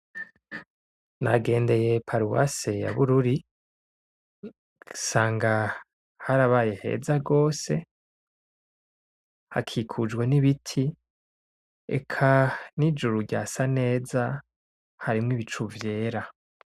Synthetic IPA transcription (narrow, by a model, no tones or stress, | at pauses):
naɡe̞ːnde̞je̞pʰaɾuwa̰seja̰βuɾuɾi | saːŋɡa | haɾaβaje̞he̞̰ːzaɡo̞ːse̞ | ha̰kʰikʰud͡ʒɡwe̞niβitʰi | ḛkʰanid͡ʒuɾuɟa̰ːsane̞ːza | haɾimŋiβit͡ʃuvje̞ːɾa